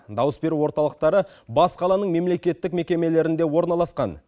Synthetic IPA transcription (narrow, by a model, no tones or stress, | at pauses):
d̪ɑwəsbe̞ɾuwo̞ɾt̪ɑlˠəq̚t̪ɑɾə | bɑsqʰɑlˠɑnəɴme̞mle̞kʲe̞t̪ːɪkme̞kʲe̞me̞le̞ɾɪnd̪e̞wo̞ɾnɑlˠɑsqɑn